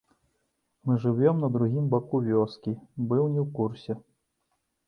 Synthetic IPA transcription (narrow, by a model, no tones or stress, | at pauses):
mɨʐɨvʲɔmnɐd̪ɾuɣʲimbakuvʲɔskʲibɨwnʲɛwkursʲɛ